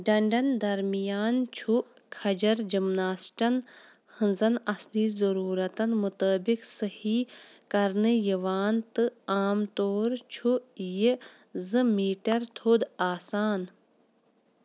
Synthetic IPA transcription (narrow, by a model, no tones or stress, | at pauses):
ɖɐɳɖɐnd̪ɐɾmijaːnt͡ʃʰu | kʰɐd͡ʒɐɾd͡ʒimnaːsʈɐn | hɨnzɐnɐsliːzɐɾuːɾɐt̪ɐnmʊt̪əːbiksɐhiːkɐɾnɨjiʋaːnt̪ɨaːmt̪oːɾt͡ʃʰuji | zɨmiːʈɐɾt̪ʰoːd̪aːsaːn